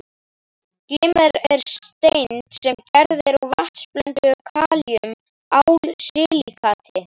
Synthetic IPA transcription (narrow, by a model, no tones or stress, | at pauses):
klɪːmɛɾɛɾ̥st̪ejnt̪sɛmcɛɾðɪɾɔɣvaht̪splœnt̪ʏkʰaːliʏm | awlsɪːlikʰaːt̪ʰɪ